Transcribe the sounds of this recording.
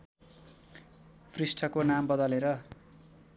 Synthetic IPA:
pʰrisʈʰʌkonambʌd̪ʌleɾʌ

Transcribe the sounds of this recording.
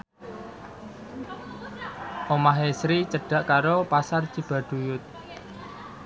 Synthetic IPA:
ʔomaɦesɾit͡ʃəɖ̥a̤ʔkaɾopasart͡ʃib̥ä̤ɖ̥ṳjʊt̪̚

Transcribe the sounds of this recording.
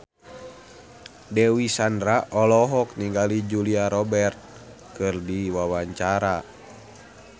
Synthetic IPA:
dɛwisandɾaʔɔlɔɦɔk̚niŋɡalid͡ʒuliaɾɔbɛrt̪̚ | kɨrdiwawaɲt͡ʃaɾa

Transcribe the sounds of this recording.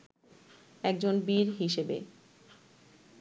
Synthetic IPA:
ɛk̚d͡ʑonbiɾɦiʃebḛ

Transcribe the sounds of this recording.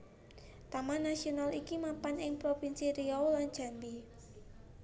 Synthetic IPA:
t̪amanasionalikimapanɪŋpɾopinsiɾiɔwland͡ʒ̥a̤nbi

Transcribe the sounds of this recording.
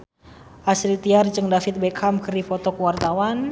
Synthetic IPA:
ʔaslit̪iart͡ʃəŋdafɪt̪̚bɛkʰamkərdipɔt̪ɔkəwart̪awan

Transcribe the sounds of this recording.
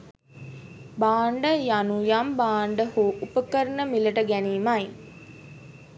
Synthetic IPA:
baːɳɖəjanujambaːɳɖəhuʔupəkəɾnəmilɐʈəɡæniːmɐj

